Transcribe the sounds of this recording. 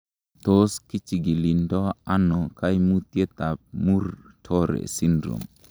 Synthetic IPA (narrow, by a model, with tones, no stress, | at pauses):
t̪o˦ski˦t͡ʃi˨ɡi˨li˨ndɔ˦a˦nɔ˨ka˦jmu˦t̪je˦t̪a˨p̚mu˦ɾtʰɔ˦ɾḛ˨si˦ndɾo̰˨m